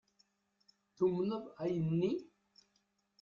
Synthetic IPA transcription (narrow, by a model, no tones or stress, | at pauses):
θumnəðˤæjənːi